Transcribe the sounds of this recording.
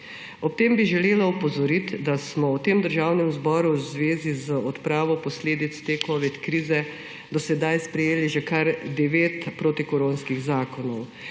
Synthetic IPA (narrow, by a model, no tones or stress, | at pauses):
ɔp̚t̪embiʒɛleːlaupɔzɔɾit̪d̪asmɔwt̪eːmd̪əɾʒaːwnɛmzbɔːɾuzʋeːzizəɔt̪pɾaːʋɔpɔsleːd̪it̪st̪ekɔʋit̪kɾiːzɛ | d̪ɔsɛd̪ajspɾɛjeːliʒɛkaɾd̪ɛʋeːt̪pɾoːt̪ikɔɾoːnskiɣzaːkɔnɔw